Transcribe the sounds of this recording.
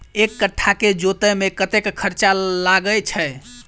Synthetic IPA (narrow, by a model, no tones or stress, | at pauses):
ekːəʈʰːaked͡ʒot̪əmekət̪ekkʰəɾt͡ʃalaɡət͡ʃʰə